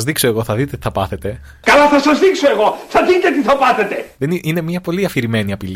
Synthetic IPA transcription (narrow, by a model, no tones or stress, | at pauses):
zðikso̞eɣo̞θɐðit̪e̞t̪iθɐpɐθe̞t̪e̞ | kɐlɐθɐsɐzðikso̞e̞ɣo̞θɐðit̪e̞t̪iθɐpɐθe̞t̪e̞ðeniine̞mɲɐpo̞liɐfiɾime̞niɐpil